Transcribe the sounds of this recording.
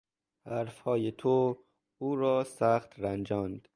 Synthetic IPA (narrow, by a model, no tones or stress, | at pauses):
hæɾfhɒːjet̪ʰo | uːɾɒːsæxt̪ɾænd͡ʒɒːnd̪̥